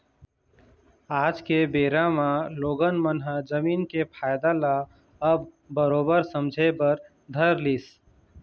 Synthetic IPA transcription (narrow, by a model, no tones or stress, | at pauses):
aːd͡ʒkebeːɾamãloːɡənmənɦəd͡ʒəmiːnkepʰaːjd̪ala | əbː | əɾoːbəɾsəmd͡ʒʱebəɾ | d̪ʱəɾlis